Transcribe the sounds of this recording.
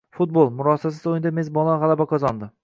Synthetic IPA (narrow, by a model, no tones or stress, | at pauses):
fut̪̚bolˠmʊɾɒsas̬ɪzojɪnd̪amezbɒlˠaʁalˠabakʰɒzɒnd̪ɪ